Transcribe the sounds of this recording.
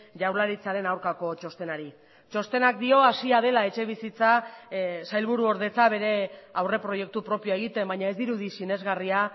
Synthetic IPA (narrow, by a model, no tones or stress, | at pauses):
ʝawɾlaɾit͡saɾe̞nawɾkako̞t͡ʃo̞st̪e̞naɾi | t͡ʃo̞st̪e̞nak̚d̪io̞asiað̞e̞lae̞t͡ʃe̞β̞isit͡sa | sajlβuɾuo̞ɾð̞e̞t͡saβe̞ɾe̞awre̞pɾo̞je̞k̚t̪upɾo̞pioeɣ̞it̪e̞mbaɲae̞zd̪iɾuðisine̞zɣaria